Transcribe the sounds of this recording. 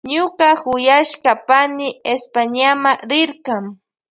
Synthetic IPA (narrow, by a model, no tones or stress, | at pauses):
ɲʊɢɑhʊjaʃkɑpanɪespaɲamaɾɪɾqɑŋ